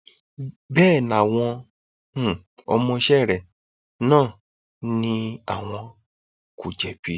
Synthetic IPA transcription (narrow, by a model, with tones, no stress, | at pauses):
bɛː˦˨na˨w̃ɔ̃˧˦˨ | ɔ̰˧mɔ̃˧ʃɛ˦˨ɾɛ˨ | nãː˦˨ | nĩ˧a̰˨w̃ɔ̃˧ | ku˨d͡ʒɛ˨bi˨